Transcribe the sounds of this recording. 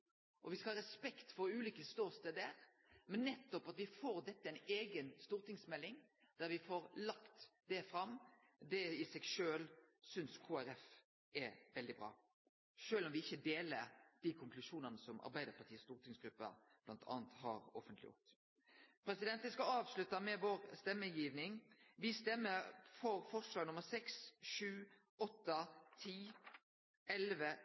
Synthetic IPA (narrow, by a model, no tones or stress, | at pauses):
ʔɔʋɪskɑhɑːɾɛspɛkt̪fɔɾʉːliːkəst̪oːst̪əd̪æɾ | mɛnːɛt̪ːɔpɑt̪ʋɪfoːɾd̪ɛt̪ːəæɪneːɡənst̪uːʁt̪ɪŋsmɛlːɪŋ | d̪̥æɾʋɪfoːɾlɑkt̪d̪ɛfɾɑm | d̪ɛɪsɛɡʃøːlsʏnskʰuːæɾɛf | ɛʋɛld̪ɪbʁɑ̰ː | ʃøːlɔmʋɪɪçːəd̪eːləɾd̪̥ikʰʊŋklʉʂuːnənəsɔmɑ̰ɾbæɪd̪əɾpʰɑʁt̪ʰiːəst̪uːʁt̪ʰɪŋsɡ̥ɾʉpːə̰ | b̥lɑnt̪ʰɑ̰ːnt̪hɑ̰ɾɔ̰fənt̪lɪjʊ̰ʁt̪ | pʰɾɛsɪd̪ɛnt̪ənskɑɑːʋslʉt̪ːɑmɛʋoːʁst̪ɛmːəjiːʋnɪŋʋɪst̪ɛmːəɾfɔɾfɔʁslɑːɡnʊməɾsɛksʂʉː | ɔt̪ːət̪ʰiː | ɛlʋə